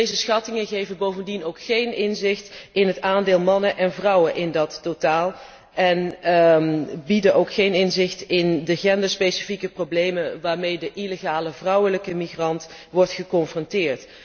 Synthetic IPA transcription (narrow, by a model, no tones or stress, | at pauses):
dejzəsχɑtɪŋəɣejvənbowvəndinowkχejnɪnzɪxtɪnɦətaːndɪːlˠmɑnəʔɛnvrʌwənʔɪndɑtːotaːlˠ | ɛn | bidənʔowkχejnɪnzɪxtɪndəχɛndəspejsi̥fikəproblejmənʋaːɹmejdəʔileɣaːləvrʌwələkəmiχrɑnt | ʋɔɹtχəkɔnfrɔntɪːɹt